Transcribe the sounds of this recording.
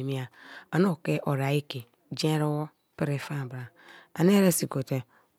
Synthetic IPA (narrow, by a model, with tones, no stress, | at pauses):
mi˦a˨a˨no˦˨ke˦ʔo˨ɾa˨i˦ke˨ | d͡ʒẽ˦ɾo˦wo˦ | pi˦ɾe˨fa˦˨bɾa˨ | a˨n˦e˦ɾe˦si˨ko˨te˨